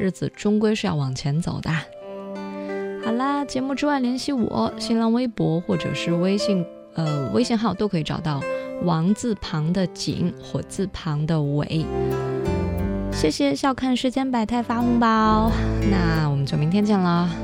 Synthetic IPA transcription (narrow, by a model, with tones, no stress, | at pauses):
ɻ̩˥˩d͡zɹ̩˨˩ʈ͡ʂʊ˥ŋkwe˥ɪʂɻ̩˥˧jɑ̰˥˩ʊwɑ˨˩ŋt͡ɕʰjɛ˧˥nt͡so̰˨˩ʊd̪ə˧ | xɑ˨˩ʊlə˦t͡ɕjɛ˧˥mu˥˧ʈ͡ʂɻ̩˥wa˥˩ɪljɛ˧˥nɕi˥˩wɔ̰˨˩˦ɕi˥nlɑ˥ŋwe˥ɪpwɔ˧˥xwɔ˥˩ʈ͡ʂɤ̰˨˩ʂɻ̩˥˩we˥ɪɕi˥˩ŋ | ə˧we˥ɪɕi˥˧ŋxɑ˥˩ʊt̪o˥ʊkʰɤ˧˥i˧˩ʈ͡ʂɑ˨˩ʊt̪ɑ˥˩ʊwɑ˧˥ŋt͡sɹ̩˥˩pʰɑ˧˥ŋd̪ə˧t͡ɕḭ˧˥˦ŋxwɔ˥˩t͡sɹ̩˥˩pʰɑ˧˥ŋd̪ə˧wḛ˨˩˦ɪ | ɕjɛ˥˩ɕjɛ˨˩ɕjɑ˥˧ʊkʰa˥˧nʂɻ̩˥˧t͡ɕjɛ˥npa˨˩ɪt̪ʰa˥˩ɪfa˥fʊ˥ŋba˧na˥˩wɔ˨˩mə˦nt͡ɕjo˥˩mi˧˥ŋt̪ʰjɛ˥nt͡ɕjɛ˥˩nlə˩